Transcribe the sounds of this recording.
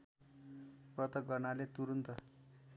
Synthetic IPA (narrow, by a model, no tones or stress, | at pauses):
prʌt̪ʌk̚ɡʌrnalet̪uɾunt̪ʌ